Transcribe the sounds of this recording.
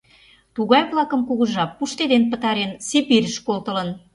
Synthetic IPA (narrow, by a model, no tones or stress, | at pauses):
t̪uɣɑjβlɑkə̆mkuɣə̆ʒɑpːuʃt̪ed̪enpət̪ɑɾensepiɾəʃkolt̪ə̆lə̆n